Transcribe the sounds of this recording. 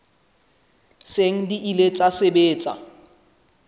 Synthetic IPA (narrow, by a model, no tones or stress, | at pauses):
seŋ̩diʔilet͡sʼasebeːt͡sʼa̰